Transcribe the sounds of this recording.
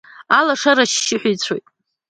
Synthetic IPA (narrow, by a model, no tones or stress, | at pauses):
alaʂaɾaʃːɪħʷᶣijt͡sʷʰojtʼ